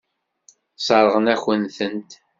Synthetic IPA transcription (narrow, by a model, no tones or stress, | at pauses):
sˤɑɾˤəʁənæçənθənt̪